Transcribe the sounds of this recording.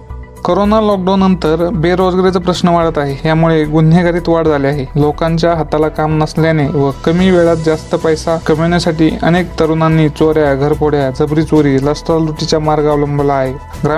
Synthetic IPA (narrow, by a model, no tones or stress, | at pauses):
koɾonalɔk̚ɖawnːənt̪əɾbeɾod͡zɡɾet͡səpɾəsnəʋaɽət̪aɦeɦjamuɭeɡun̤ːeɡaɾiːt̪ʋaɽd͡zʱaleaɦelokãɲt͡ɕjaɦət̪alakamnəsljaneʋəkəmiːʋeɭat̪̚d͡zast̪əpəjsakəmjuɳjasaʈiːə̰nek̚t̪əɾunanːiːt͡soɾjaɡʱəɾpʰoɽ̤jad͡zəbɾiːt͡soɾiːləsʈ̪ɾalɾuʈit͡ɕjamaɾɡaʋləmbəlaːɦe | ɡɾa